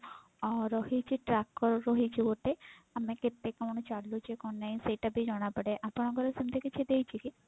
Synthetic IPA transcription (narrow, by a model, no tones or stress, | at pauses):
ɔɾɔɦit͡ʃʰiʈɾakːɔɾːɔɦit͡ʃʰioʈ̪eameket̪ːekañɔt͡ʃaɽlut͡ʃekɔnlajnsejʈabid͡ʒɔɽ̃apɔɽeʔapɔnaɡɔɾesimt̪ʰekit͡ʃʰid̪ejt͡ʃʰiki